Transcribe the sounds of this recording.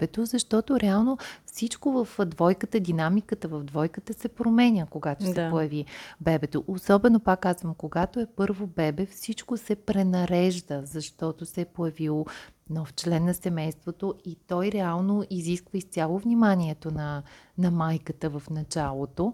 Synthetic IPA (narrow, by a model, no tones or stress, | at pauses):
bɛt̪ozɐʃt̪ɔt̪oɾɛalˠnofsit͡ʃkovəfd̪vɔjkət̪əd̪inamikət̪əvɐvd̪vɔjkət̪əsɛpɾomɛnʲəkoɡat̪ossɛojɐvibɛbɛt̪oʔosɔbɛnopakːazvəmkoɡat̪oɛpɤɾvobɛbɛfsit͡ʃkosɛpɾɛnɐɾɛʒd̪əzɐʃt̪ɔt̪osɛpojɐvilˠnɔft͡ʃlɛnːɐsɛmɛjst̪vot̪oit̪ɔjɾɛalˠnoiziskvəist̪ʲalˠovnʲimanʲiɛt̪onɐnɐmajkət̪əvɐfnɐt͡ʃalˠot̪o